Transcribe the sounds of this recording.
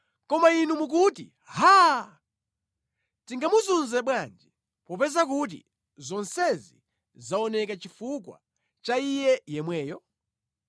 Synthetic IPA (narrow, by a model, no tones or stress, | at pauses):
kɔmainumuk̬utḭ | ha | tiŋɡamuzunzɛɓwand͡ʒɛ | pɔpɛzak̬ut̬ḭ | zɔnsɛzi | zaɔnɛkat͡ʃifukwa̰ | t͡ʃaijɛjɛmwɛːjɔ